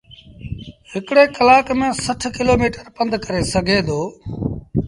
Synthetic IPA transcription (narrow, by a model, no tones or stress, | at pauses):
ɦɪkɽeːkəlaːkmẽːsəʈʰkɪloːmiːʈəɾpə̃nd̪ʱkəɾeːsəɡʱeːd̪oː